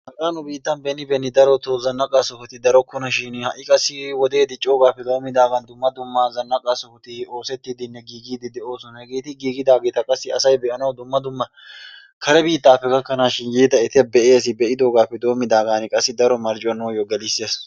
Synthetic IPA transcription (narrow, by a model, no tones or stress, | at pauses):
hɐkʼanʊbiːt̪ːɐnbɛnːɪbɛnːɪd̪ɐɾɔt̪ɔzɐnːɐkʼasɔhʊt̪ɪd̪ɐɾɔkːʊnɐʃɪnhɐʔɪkʼɐsːɪwɔd̪e̞ːd̪ɪt͡ʃʼːo̞ːɡaːpːɛd̪o̞ːmːɪd̪aːɡɐnd̪ʊmːɐd̪ʊmːɐzɐnːɐkʼasɔhʊt̪ɪo̞ːsɛt̪ːɪd̪ɪnːɛɡiːɡiːd̪ɪd̪ɛʔo̞ːsɔnɐhɛɡeːt̪ɪɡiːɡɪd̪aːɡeːt̪ɐkʼɐsːɪɐsɐjbɛʔɐnɐwd̪ʊmːɐd̪ʊmːɐ | kʰɐɾɛbiːt̪ːaːkːɐɡɐkːɐnaːʃɪnjiːt̪ɐɛt̪ɛbɛʔeːs̬ɪbɛʔɪd̪o̞ːɡaːpːɛd̪o̞ːmːɪd̪aːɡaːnɪkʼɐsːɪd̪ɐɾɔmɐɾd͡ʒʼɪwɐnːoːjɔɡɛlɪsːɪjɐs